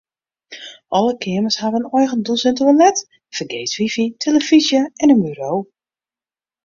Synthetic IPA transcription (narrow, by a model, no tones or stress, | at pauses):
ʔɔləkʰɪəməshaʋənɔjxəndulˠsɛntəwənlɛt | fəɡeːsʋifitʰeləfizjəɛnənbyɾoː